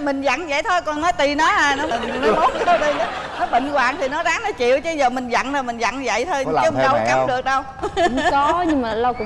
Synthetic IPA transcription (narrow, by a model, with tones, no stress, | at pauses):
mï˨˩ŋ̟za̰˧˨nzə̰˧˨jt̪ʰo˧jkɔ˨˩nnɔ˨˦jt̪i˨˩nɔ˨˦haː˨˩nɔ˨˦m˨˩˨mə˨˦mo˨˦˥t̚ə˨˧˦t̪i˨˩nə˨˦nɔ˨˦ɓḭ̈˧˨ŋ̟kwaː˨˩nt̪ʰi˨˩nɔ˨˦zaː˨˦˥ŋnɔ˨˦t͡ɕḭ˧˨əwt͡ɕə˧˦zəː˨˩mï˨˩ŋ̟zə̰˧˨nzə˨˩jmï˨˩ŋ̟zə̰˧˨nzə̰˧˨jt̪ʰo˧jə˧˦˨ɗə˧wka˨˦p̚ɗɨ˨˩ək̚ɗə˧w | kɔ˨˦ɲɨ˧ŋmaː˨˩lə˧wkʊ̰˧˥ŋ͡m